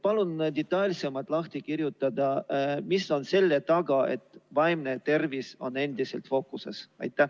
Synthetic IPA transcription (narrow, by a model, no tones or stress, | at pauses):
pɑlund̪et̪ˑːɑlʲse̞mːɑlt̪ˑlɑht̪ikirjut̪ːˑɑd̪ɑmiso̞nse̞lːet̪ɑɡ̥ɑe̞̰t̪ːˑvɑjmnet̪e̞rviso̞̰nːe̞nd̪̥ise̞̰lt̪fo̞ːkːˑuse̞̰sɑ̰jt̪ːˑæ